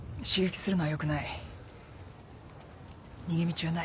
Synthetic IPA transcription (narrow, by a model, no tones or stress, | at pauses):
ɕiɡekʲi̥sɨɾɯ̟noβajo̞kɯ̟nai | ɲ̟iɡemʲit͡ɕːna